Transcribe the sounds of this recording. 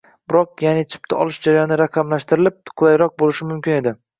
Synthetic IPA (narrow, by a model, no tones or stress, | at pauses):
bɪɾɒq̚janɪt͡ʃʰɪ̥p̚t̪ʰaʔɒ̰lˠɪʃd͡ʒaɾajɒnɪɾaqʰɑmlaʃt̪ɪɾɪlɪp̚qʰʊlˠajɾɒq̚bolɪʃɪmʊmkʲʰɪne̞d̪ɪ